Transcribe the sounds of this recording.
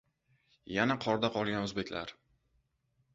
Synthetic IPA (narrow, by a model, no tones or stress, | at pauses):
janaqʰɒɾd̪aqʰɒlˠɡʲanɵzbe̞kʲla̰ɾ